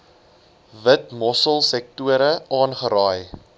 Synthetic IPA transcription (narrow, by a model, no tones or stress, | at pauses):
vətmɔsəlˠsɛk̚tuəɾəʔɑːnχəɾɑːj